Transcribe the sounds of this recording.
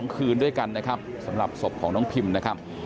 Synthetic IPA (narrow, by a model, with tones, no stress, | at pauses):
ŋkʰɯː˧ndu˥˩əjka˧nːa˦˥kʰa˦˥p̚sa˩˦mɾa˨˩p̚so˨˩p̚kʰɔː˩˦ŋnɔː˦˥ŋpʰi˧mna˦˥kʰa˦˥p̚